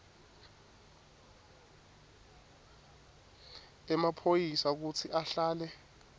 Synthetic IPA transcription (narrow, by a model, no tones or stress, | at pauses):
ɛmapʰojisak̬ut͡sʰiʔaɬaːlɛ